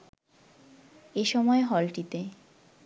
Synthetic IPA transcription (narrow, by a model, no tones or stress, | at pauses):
eʃɔmɔeɦɔlʈit̪e